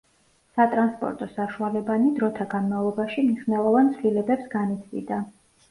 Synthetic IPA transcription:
sat̪ʼɾanspʼɔ̰ɾt̪ʼɔsaʃualɛbanid̪ɾɔt̪ʰaɡanmavlˠɔbaʃimniʃnɛlˠɔvant̪sʰvlilɛbɛpsɡanit̪ʰvḭd̪a

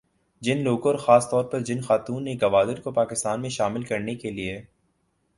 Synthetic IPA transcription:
d͡ʒɪnloːɡɔːɾxaːst̪ɔːɾpɐɾd͡ʒɪnxaːt̪uːneɡɐʋaːd̪ɪɾkopaːkɪst̪aːnmẽʃaːmɪlkɐɾnekelie

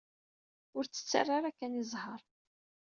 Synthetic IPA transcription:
ʊɾt͡sːə̥t͡sːa̰rˤːaɾækːænizˤhəɾˤ

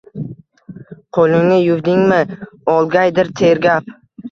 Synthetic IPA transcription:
qʰolˠɪŋnɪjʊwd̪ɪŋmɪɒlˠɡʲajd̪ɪɾt̪ʰeɾɡʲap

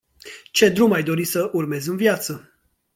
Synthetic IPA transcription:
t͡ʃe̞d̪ɾumajd̪o̞ɾisəʔurme̞zɨnvjat̪sə

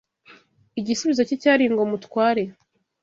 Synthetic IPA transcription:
iɟisuβizo̞cicaːɾiːŋɡomutkwaːɾe̞

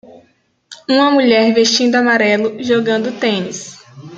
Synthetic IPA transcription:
ũmɐmuʎɛɾveʃt͡ʃĩnd̪ʊamaɾɛlʊʒoɡɐ̃nd̪ʊt̪ẽnis

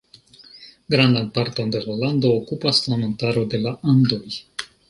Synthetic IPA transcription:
ɡɾandanpaɾto̞nde̞lalando̞ːkupaslamontaɾo̞de̞laʔando̞j

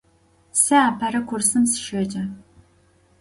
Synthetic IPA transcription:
sɨaːpʰɐɾɐkʷʰʊrsɨmsɨ̥ʃɐd͡ʒɐ

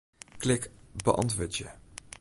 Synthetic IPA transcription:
klɪkbə̰ʔɑ̰ntʋəːɹtjə̰

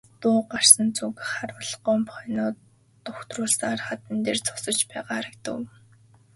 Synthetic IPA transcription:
t̪ʊːɢar̥sə̆nt͡sukχaɾʊɮɢɔːmpχnʊː | t̪ʊxt̪rʊːɮsəŋarχat̪ə̆nt̪eːrt͡sʰʊ̥sə̆t͡ɕpæːʁaːɾə̆kt̪ə̰̆w

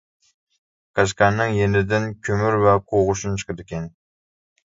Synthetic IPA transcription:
kʰaʃkʲanːɪŋjenɪd̪ɪnkʲʰɵmyɾvaqʰoʁʊʃʊnt͡ʃʰɨ̥qɨd̪ekʲʰen

